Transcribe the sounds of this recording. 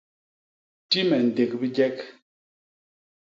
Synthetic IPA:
ti˦mɛ˨n̩˨de˨k̚bi˦d͡ʒɛ˦k

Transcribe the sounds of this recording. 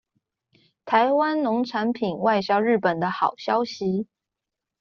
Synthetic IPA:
t̪ʰa˧˥ɪwa˥nnʊ˧˥ŋʈ͡ʂʰa˧˥npʰi˨˩nwa˥˧ɪɕjɑ˥ʊɻɻ̩˥˩pə˨˩nd̪ə˦xɑ˨˩ʊɕjɑ˥ʊɕi˧˥

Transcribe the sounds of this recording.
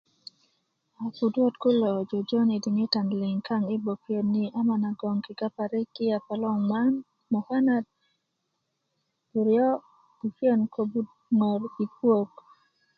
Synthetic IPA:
a˨pu˨dwɔ˦tkʊ˦lɔ˨d͡ʒɔ˨d͡ʒɔ˦ni˨di˨ŋe˦ta˨ndlɪ˨ŋkʰa˦ŋɪ˦bo˨fjo˨nːi˨ʔa˦ma˨na˨ɡɔ˨ŋkɪ˨ka˦pa˨ɾɛ˦kɪ˦a˨pa˨lɔ˦ŋma˦n | mɔ˨ha˦na˨d̚ | bu˨ɾɪɔ˦ | b̥u˨fjo˦nkʰo˨bu˦d | ŋɔ˨ɾi˨pwo˦k

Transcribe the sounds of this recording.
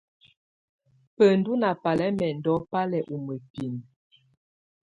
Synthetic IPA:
pə˨n̩˦du˦na˨pa˨lɛ˦mɛ˨n̩˨dɔ˨˦pa˦lɛ˨ʔu˨mə˨pi˨n

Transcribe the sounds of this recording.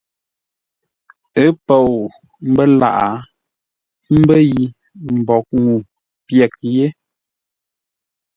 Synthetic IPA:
ə˦pɔ˦˨o˨ | m̩˦bə˦la̰˨ʔa˨˦ | m̩˦bə˦ji˨ | m̩˨bɔ˨˦k̚ŋu˨ | pjɛ˨k̚je˦

